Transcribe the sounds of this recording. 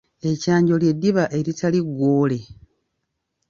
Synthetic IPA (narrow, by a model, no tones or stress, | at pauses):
e̞caːɲɟo̞lje̞dːiβaʔe̞ɾitaliɡːoːle̞